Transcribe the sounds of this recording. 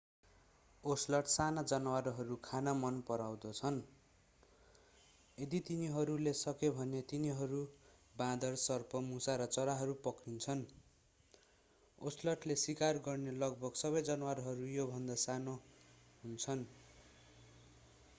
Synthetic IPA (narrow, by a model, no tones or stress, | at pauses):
oslʌʈʰsanad͡zʌnwaɾɦʌɾukʰanamʌnpʌɾawd̪ʌt͡sʰʌn | ed̪it̪iniɦʌɾulesʌkebʱʌnet̪iniɦʌɾu | bãd̪ʌrsʌrpʰʌmusaɾʌt͡sʌɾaɦʌɾupʌkint͡sʰʌn | oslʌʈlesikarɡʌrnelʌɡ̚bʱʌɡsʌβʌjd͡zʌnwaɾɦʌɾujobʱʌnd̪asanoɦunt͡sʰʌn